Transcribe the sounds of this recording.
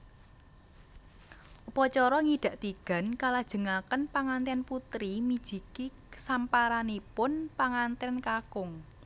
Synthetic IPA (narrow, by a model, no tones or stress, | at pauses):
upɔt͡ʃɔɾɔŋiɖ̪̥ä̤ʔt̪iɡ̥ä̤nkalad̥ʒ̥ə̤ŋakənpaŋant̪ɛnput̪ɾimid̥ʒ̥i̤ki | sampaɾanipʊnpaŋant̪ɛnkakʊŋ